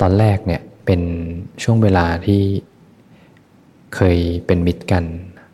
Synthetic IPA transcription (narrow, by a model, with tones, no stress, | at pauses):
t̪ɔː˧nɾɛː˥˩k̚ni˥˩əpe˧nt͡ɕʰu˥˩əŋweː˧laː˧t̪ʰiː˥˩ | kʰɤː˧jpe˧nmi˦˥t̪̚ka˧n